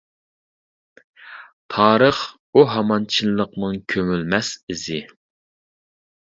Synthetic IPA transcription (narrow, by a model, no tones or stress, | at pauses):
t̪ʰɑːɾəχ | uɦɑmɑnt͡ʃʰilːˠəq̚nɨŋkʲʰømylmɛsɪzɪ